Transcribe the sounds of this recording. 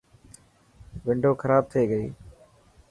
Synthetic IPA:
ʋɪɳɖoːkʰəɾaːb̚t̪ʰeːɡəḭː

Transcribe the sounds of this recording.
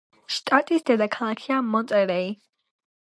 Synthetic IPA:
ʃt̪ʼat̪ʼisd̪ɛd̪akʰalakʰiamɔnt̪ʼɛɾɛi

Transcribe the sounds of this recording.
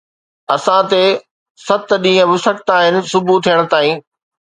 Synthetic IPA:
ɐsãt̪e | sɐt̪̆ɗĩːə̃ʋʊsɐk̚t̪aːɦɪnɪ̆sʊbʱut̪ʰijəɽ̃ʊ̆t̪aːĩː

